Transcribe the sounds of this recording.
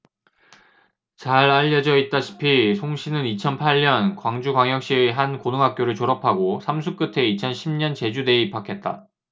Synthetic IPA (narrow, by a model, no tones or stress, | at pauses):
t͡ɕaɾaʎːʌd͡ʑʌit̚t͈aɕʰi̥pʰisʰoŋɕʰinɯnit͡ɕʰʌnpʰaʎɲʌnkwaŋd͡ʑuɡwaŋjʌk̚ɕ͈iɦankonɯŋɦak̚k͈joɾɯɭt͡ɕoɾʌpʰaɡosʰamsʰuk͈ɯtʰe̞it͡ɕʰʌnɕʰimɲʌnt͡ɕe̞d͡ʑude̞ip͈ʰakʰe̞t̚t͈a